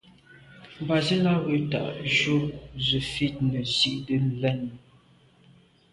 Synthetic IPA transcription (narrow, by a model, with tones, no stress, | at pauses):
m̩˨ba˨zi˦la˦ɣə˨ta̰˨ʔʃo˦zə˨fi˦t̚nə˨si˦ʔdə˦n˨lɛ˦n˨